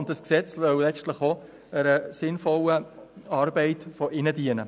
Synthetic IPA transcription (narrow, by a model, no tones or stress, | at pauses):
ʊnt̚d̥ɑsksɛt͡ssœwlɛstləχo | əɾəsɪnfɔləɑːɾbɛɪtfɔʔɪnədiənə